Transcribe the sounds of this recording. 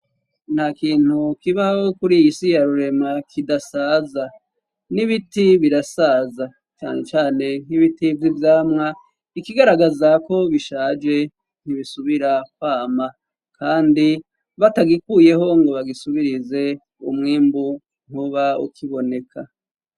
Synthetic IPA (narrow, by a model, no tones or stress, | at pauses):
n̥hakiːn̥hukiβaokuɾiisijaɾuɾe̞makʰidasaːza | niβitiβiɾasaːza | t͡ʃa̰ːne̞t͡ʃaːne̞niβitivjivjaːmŋa | ikiɡaɾaɡazako̞βiʃaːd͡ʒe̞ | n̥hiβisuβiɾak̚waːma | kʰaːndi | βataɡikuːje̞ɦo̞ŋɡo̞βaɡisuβiɾize̞ | umŋiːmbu | ŋ̥uβaṵkʰiβo̞ne̞kʰa